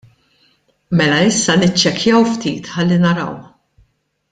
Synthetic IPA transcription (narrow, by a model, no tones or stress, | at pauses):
mɛlɐɪsːɐnɪt͡ʃːɛkʰjɐwft̪ḭːt̪ħɐlːinɐɾɐ̰w